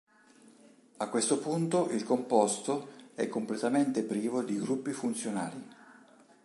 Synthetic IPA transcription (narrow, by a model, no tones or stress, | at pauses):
akːwest̪opunt̪oʔilkompɔst̪oɛkːomplet̪ament̪epɾiːvod̪iɡɾupːifunt̪sjona̰ːli